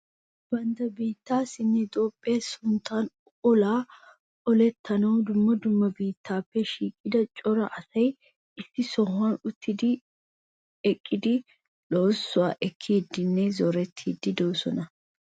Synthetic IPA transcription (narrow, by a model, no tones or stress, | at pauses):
b̥ɐnd̪ɐbiːt̪ːaːsɪnːɛt̪ʼoːpʼːeːsʊnt̪ːaːn | ɔlaː | ɔlɛt̪ːɐnɐwd̪ʊmːɐd̪ʊmːɐbiːt̪ːaːpːɛʃiːkʼːɪd̪ɐt͡ʃʼɔɾɐ̰ʔɐsɐj | ɪsːɪsɔɦɐnʊt̪ʰːɪd̪ɪ | ɛkʼːɪd̪ɪ | loːsːʊwaːʔɛkʰːiːd̪ːɪnːɛzɔɾɛt̪ʰːiːd̪ɪd̪ɔwsɔnɐ